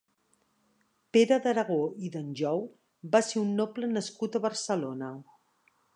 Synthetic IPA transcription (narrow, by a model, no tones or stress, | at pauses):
peɾəðəɾəɣ̞oiðənʲʒɔw | baseunːoplənəskut̪əβəɾsəlonə